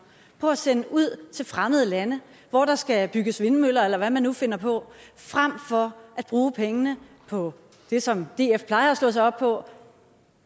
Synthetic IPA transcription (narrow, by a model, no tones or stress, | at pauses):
pʰɒ̽æsenəʔuð̞̰ˠt͡sʰe̝lfʁaməð̞̩ˠəlænə | ʋɒɾ̥ɑ̈sɡ̥æb̥yɡ̥əsʋe̝nmøl̰ɐelɐʋæmænːufe̝n̰ɐpʰɒ̽fʁam̰fɒ̽ʔæd̥̚b̥ʁuːpʰeŋənə | pʰɒ̽ | d̥e̝sɒ̽md̥e̝ːefpʰlɑ̈ɪɐæslɔ̽s̬ɑɪɒ̽b̥̚pʰɒ̽